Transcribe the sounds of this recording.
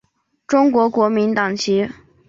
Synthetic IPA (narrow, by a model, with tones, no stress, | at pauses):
ʈ͡ʂʊ˥ŋkwɔ˧˥kwɔ˧˥mi˧˥nt̪ɑ˨˩ŋt͡ɕʰi˧˥